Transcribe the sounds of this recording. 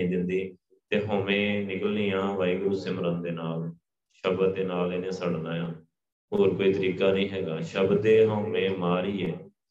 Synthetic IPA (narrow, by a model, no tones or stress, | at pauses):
ĩːd̪ɪnd̪iː | t̪eːɦõːʋẽːnɪkəlniːãːʋaːiːɡɾuːseːməɾənd̪eːnaːl | ʃəb̪d̪eːnaːleːnẽːsəɽnaːjaː | ɦoːɾkoːiːt̪əɾiːkaːnəĩːɦɛːɡaːʃəbd̪eːɦõːʋẽːmaːɾiːɛː